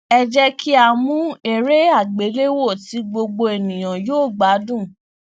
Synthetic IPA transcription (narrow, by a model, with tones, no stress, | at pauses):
ɛ˧d͡ʒɛ˦kʰi˦a˧˨mũ˦e˧ɾe˦a˦˨ɡ͡be˨˦le˦wo˦˨ti˨˦ɡ͡bo˧ɡ͡bo˧e˨nĩ˨j̃ã˨joː˦˨ɡ͡ba˨˦dũ˦˨